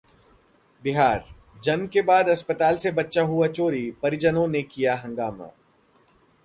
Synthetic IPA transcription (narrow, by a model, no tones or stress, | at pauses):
bɪɦaːɾ | d͡ʒɐnkebaːd̪ɐspət̪aːlsebɐtːʃaɦuat͡ʃoːɾipɐɾɪd͡ʒənõnekijaɦɐ̃ŋɡaːma̰ː